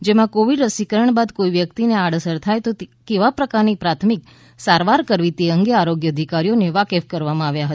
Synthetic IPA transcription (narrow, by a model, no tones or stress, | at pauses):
d͡ʒemãkoʋiɖɾəsikəɾəɳbad̪koiʋjəkt̪ineaɽ̤əsəɾt̪ʰajt̪okeʋapɾəkaɾnipɾat̪ʰmik | saɾʋaɾkəɾʋit̪eəŋɡeaɾoɡjəːd̪ʱikaɾijoneʋakefkəɾʋamãaʋjaɦət̪a